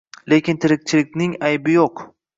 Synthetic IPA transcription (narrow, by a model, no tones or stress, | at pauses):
le̞kʲɪnt̪ʰeɾɪk̚ʲt͡ʃʰɪlɪk̚ʲnɪŋajbɪjoq